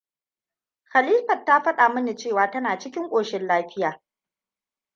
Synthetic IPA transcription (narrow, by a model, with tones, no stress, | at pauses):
xa˨liː˦ɸɐ˨tːa˦ɸɐ˦ɗaː˨mɐ˦ni˨t͡ʃeː˦˨waː˨tɐ˦naː˨t͡ʃɪ˦kʲɪ˦ŋkʷʼoː˨ʃɪ˦nlaː˦ɸɪ˦jaː˨